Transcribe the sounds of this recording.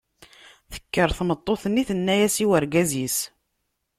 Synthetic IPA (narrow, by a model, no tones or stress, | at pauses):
θə̥kːəɾˤθmət̪ˤːoθənːiθənːæjæsiwəɾɡæzis